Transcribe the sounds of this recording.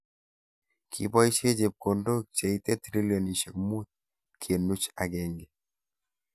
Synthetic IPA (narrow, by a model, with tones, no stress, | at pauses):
kʰḭ˨bɔ˦i˦t͡ʃe˦d͡ʒe˨p̚ko˨ndo˦k̚t͡ʃe˨i˦t̪ɛ˦t̪ɾi˦ljo˨ni˨t͡ʃe˨kmu˦t̪̚ | kʰe˨nːu˦t͡ʃa˨ɡɛ˨ŋɡɛ˨